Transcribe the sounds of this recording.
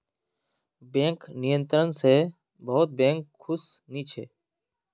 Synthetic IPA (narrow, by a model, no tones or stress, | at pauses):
bẽːŋknɪjənt̪ɾənseː | bəɦʊt̪̚bẽːŋkʰːʊsniːt͡ʃʰḛː